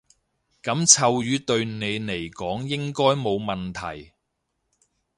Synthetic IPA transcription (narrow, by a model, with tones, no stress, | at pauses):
kɐ˨˥mt͡sʰɐ˨˧wjyː˨˧t̪ɵ˧ɥne˨˧jne˨˩jkɔː˨˥ŋjɪ˥ŋkɔː˥jmo˨˧wmɐ˨nt̪ʰɐ̰˨˩j